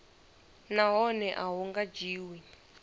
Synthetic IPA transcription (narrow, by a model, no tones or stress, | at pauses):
naɦɔnɛʔaɦuŋɡad͡ʒiːwi